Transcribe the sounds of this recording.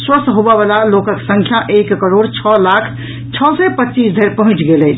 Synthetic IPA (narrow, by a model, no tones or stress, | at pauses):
swəst̪ɦobabalalokəksə̃ŋkʰjaʔekːəɾoɽt͡ʃʰɔlakʰ | t͡ʃʰɔsɛpətːt͡ʃisd̪ʱəɾpəɦũt͡ʃɡelɛ